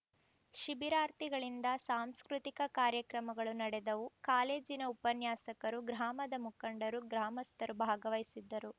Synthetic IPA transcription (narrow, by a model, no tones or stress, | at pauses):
ʃibiɾaːɾt̪iɡɐɭind̪ɐsaːmskɾut̪ikɐkaːɾjɐkɾɐmɐɡɐɭunɐɽɛd̪ɐʋukaːle̞ːd͡ʒinɐupɐnjaːsɐkɐɾuɡɾaːmɐd̪ɐmukɐɳɖɐɾuɡɾaːmɐst̪ɐɾubʱaːɡɐʋɐjsid̪ːɐɾu